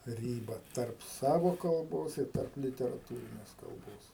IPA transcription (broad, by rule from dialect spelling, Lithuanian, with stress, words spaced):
ˈrʲiːbɐ tɐrp ˈsɑːʋoː kɐlˠˈboːs ɪr ˈtɐrp lʲɪtʲɛrɐˈtuːrʲɪnʲeːs kɐlˠˈboːs